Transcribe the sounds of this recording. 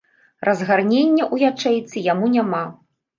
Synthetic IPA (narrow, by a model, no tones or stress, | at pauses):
rʔɐzɣarnʲenʲːɐʔujat͡ʂɛjt̪sɨjamunʲama